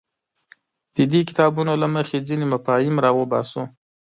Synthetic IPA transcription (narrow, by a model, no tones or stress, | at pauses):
d̪̥əd̪ek̬ɪ̥t̪ɑbunolaməxed͡zinemapɑjɪmɾɑwəbɑ̰so